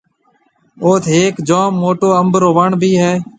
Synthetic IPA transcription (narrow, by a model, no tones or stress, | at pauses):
oːt̪ʰɦeːkd͡ʒoːmːoːʈoːəmbɾoːʋəɳbʱiːɦɛː